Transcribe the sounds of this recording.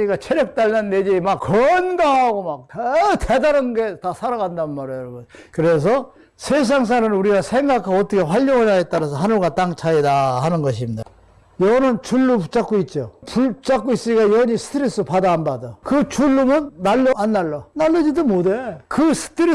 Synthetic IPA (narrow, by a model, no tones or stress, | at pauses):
iɡat͡ɕʰeɾjʌk̚t͈aɭnanːed͡ʑimakkːʌnɡaɡomak̚tʰedaɾɯnɡe̞tasʰaɾaɡandaɯnmaɾijoɾɡokɯɾes̬ʰʌ | sʰes̬ʰaŋs̬ʰanɯnuɾiɡasʰe̞ŋɡakʰaʌtʰʌkʰe̞ɸwaʎːoŋanaet̚t͈aɾas̬ʰʌɦanɯɭɡat͈aŋt͡ɕʰaidahanɯnɡʌɕ̬ʰimida | jʌnɯnt͡ɕuɭːuput͡ɕ͈ak͈oit̚t͡ɕ͈opuɭt͡ɕ͈ak͈ois͈ɯɲiɡajʌɲisʰɯ̥tʰɯɾes͈ɯpadaɦanbadokɯt͡ɕuɭːumɯnːaɭːoanːaɭːʌnaɭːʌd͡ʑidomodekɯsʰɯ̥tʰɯɾe